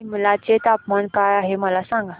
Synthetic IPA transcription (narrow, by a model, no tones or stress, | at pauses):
məlat͡set̪apmankajaɦeməlasãŋɡa